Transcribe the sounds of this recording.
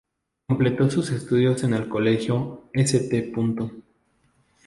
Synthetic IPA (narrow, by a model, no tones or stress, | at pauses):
komple̞t̪o̞suse̞st̪uðjo̞se̞ne̞lkole̞xjo̞eset̪epunt̪o